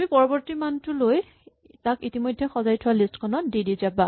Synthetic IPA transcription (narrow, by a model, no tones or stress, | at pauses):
mipɔɹɔbɔɹtimantʊloj | takitimɔjdʱːɛxɔzajtʰʊwalistkʰɔnɔt̚didizaba